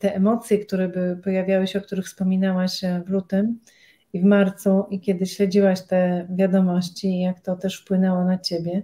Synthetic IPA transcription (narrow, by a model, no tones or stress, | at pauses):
t̪ɛʔɛmɔt̪sʲjɛkt̪uɾɛbɘwɘpɔjavʲjawɘɕɛɔk̚t̪uɾɘxfspɔmʲinawaɕvlut̪ɘm | ivmaɾt̪suʔikʲjɛd̪ɘɕlɛd͡ʑiwaɕt̪ɛvʲjad̪ɔmɔɕt͡ɕijakt̪ɔt̪ɛʂfpwɘnɛwɔnat͡ɕebʲjɛ